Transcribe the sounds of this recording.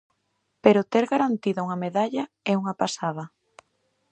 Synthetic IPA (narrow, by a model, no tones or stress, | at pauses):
peɾʊt̪ɛɾɣaɾant̪iðʊuŋɐmeðaʎɐ | ɛuŋɐpasaðɐ